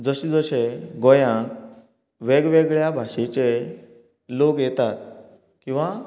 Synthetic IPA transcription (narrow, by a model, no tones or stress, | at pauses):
d͡zəɕed͡zəɕeɡɔjãk | ʋeɡʋeɡɭjabʱaʂet͡ɕe | loɡjɛt̪at̪̚ | kĩw̃ʋa